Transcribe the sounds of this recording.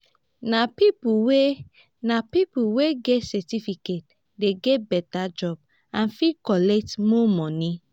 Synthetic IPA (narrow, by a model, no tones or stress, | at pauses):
napipuwe | napipuweɡɛtsɛtifiket̚ | deɡɛt̚bɛtad͡ʒɔb | ãnfikɔlɛk̚tmɔmɔni